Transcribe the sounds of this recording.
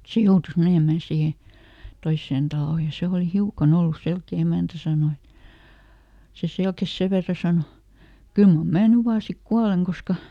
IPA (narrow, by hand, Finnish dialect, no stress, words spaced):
se joutus meneˑmæn siːhe toisːen tɑloˑ jɑ se oˑli hiukɑn olːus selkeˑ emæˑntæ sɑˑno et se selkes seʋ ʋerːɑ sɑno kyl mɑm mæː ny ʋɑː sik kuɑleŋ koskɑ